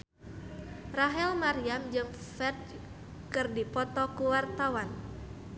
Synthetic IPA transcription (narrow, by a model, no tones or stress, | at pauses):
raɦɛlmaɾiamd͡ʒɨŋ | fɛrd̚ | kɨrdipɔt̪ɔkuwart̪awan